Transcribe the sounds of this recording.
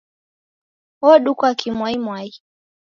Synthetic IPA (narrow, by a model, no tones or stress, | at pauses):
ɔɗukwakimwaimwai